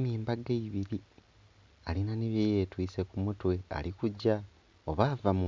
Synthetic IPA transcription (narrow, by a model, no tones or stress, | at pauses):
miːmbaɡeiβiɾi | alinaniβjeːje̞ːtwiːse̞kumutwe̞a̰likuɟa | oβaːvamu